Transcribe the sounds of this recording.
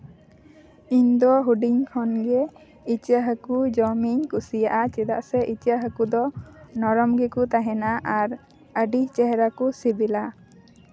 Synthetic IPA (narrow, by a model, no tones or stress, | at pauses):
iɲd̪ɔɦuɖiŋkʰɔnɡɛ | it͡ʃiaɦəkud͡ʒɔmiɲkusijaʔat͡ʃɛd̪a̰ʔsɛʔit͡ʃijaɦəkud̪ɔnɔɾɔmɡɛkut̪aɦɛnaʔaɾ | əɖit͡ʃɛɦɛɾakusibila